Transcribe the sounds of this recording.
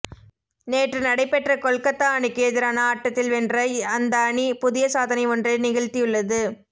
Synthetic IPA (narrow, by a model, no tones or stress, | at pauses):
neːʈrɯnɐɽɐɪpːɛʈrɐkɔɭkɐt̪ːaːɳikeːðɪɾaːnɐaːʈːɐt̪ːɪlʋɛndrɐɪɐnd̪ɐːɳipʊðɪjɐsaːðɐnɐɪɔndrɐɪnɪɣɐɻt̪ijɯɭːɐðɯ